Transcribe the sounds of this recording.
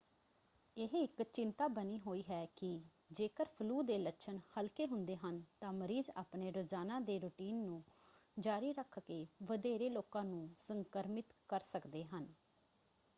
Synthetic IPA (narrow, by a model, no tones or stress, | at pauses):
ɪɦɪkt͡ʃɪnt̪aːbəniːɦoːiːɦɛːkɪ | d͡ʒeːkəɾpʰluːd̪eːlətːʃʰənhəlkeːɦʊ̃nd̪eːɦənt̪ãːməɾiːza̰ːpneːɾoːzaːnãːd̪eːɾʊʈiːnːũːd͡ʒaːɾiːɾəkʰkeːʋəd̪eːɾeːloːkãːnũːsəŋkəɾmɪt̪kəɾsəkd̪eːɦən